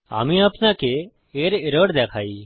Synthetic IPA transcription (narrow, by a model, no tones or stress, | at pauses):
a̰ːmĩaːpnake | eːɾɪɾoːɽd̪eːkʰaːiː